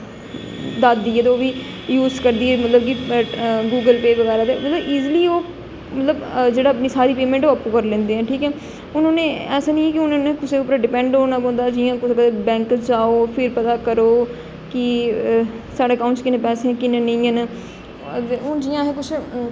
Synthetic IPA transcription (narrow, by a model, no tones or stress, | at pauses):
d̪aːd̪d̪iːɛːt̪eoːʋiː | juːzkəɾd̪iːɛːmət̪ləb̚ki | ɡuːɡəlpeːʋəɣɛːɾaːt̪eːmət̪ləbiːzliːoː | mət̪ləbd͡ʒeːɽaːəpniːsaːɾiːpeːmɛ̃ɳʈoːapːõːkəɾlẽːnd̪eːɦɛ̃ːʈʰiːkɛː | ʊnõːnẽːɛːsaːnĩɛːkɪʊnãːnẽːkʊseːʊpɾɖɪpɛ̃ɳɖɦoːnãːpõːnd̪aːd͡ʒɪãːkʊsɡəebɛ̃ːŋkəd͡ʒaːoːpʰɪɾpət̪aːkəɾoː | kɪ | saːɖeːkaːʊ̃nt͡ʃskɪnẽːpɛːseãːkɪnẽːnə̃ĩːɛnː | ʊd͡ʒijãːɦɛːkʊt͡ʃʰ